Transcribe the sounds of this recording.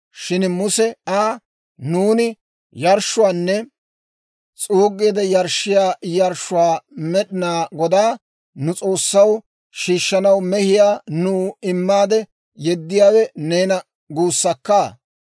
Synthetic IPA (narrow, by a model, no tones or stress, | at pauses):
ʃɪnmʊsɛaː | nuːnɪ | jɐɾʃʊwaːnːɛ | t͡sʼuːɡːeːd̪ɛjɐɾʃɪjaːjɐɾʃʊwaːmɛɗɪnaːɡɔd̪aː | nʊt͡sʼo̞ːsːɐw | ʃiːʃːɐnɐwmɛhɪjaːnuːɪmːaːd̪ɛ | jɛd̪ːɪjaːwɛneːnɐ | ɡuːsːɐkːaː